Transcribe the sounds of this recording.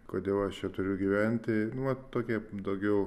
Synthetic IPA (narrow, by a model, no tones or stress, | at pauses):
koːd̪ʲeːlˠɐʃt͡ʃʲɛt̪ʊɾʲʊɡʲiʋʲɛnʲt̪ʲɪnʊʋɐtt̪oːkʲiɛd̪ɐʊɡʲɛʊ